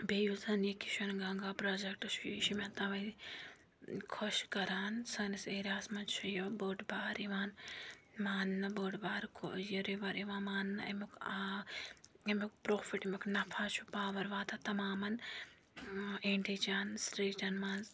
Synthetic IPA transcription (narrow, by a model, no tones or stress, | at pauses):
bejuzɐniki̥ʃɐnɡɐŋɡaːpɾoːd͡ʒɐk̚ʈʃuʃimʲɐ̃t̪ɐʋɐ | kʰoʃkɐɾaːnsɐniseːɾaːsmɐnt͡ʃʰɐjoboːʈbaːɾiʋaːn | maːnːɐboːʈbaːɾkʰojɐɾiʋɐɾiʋaːmaːnːɐ̰muka | ɐmʲukpɾoːpʰiʈimʲuknɐpʰaːt͡ʃʰupaːʋɐɾʋaːt̪ʰɐt̪ɐmaːmɐn | eɳʈiːt͡ʃaːnsɾiːʈɐnmaːnz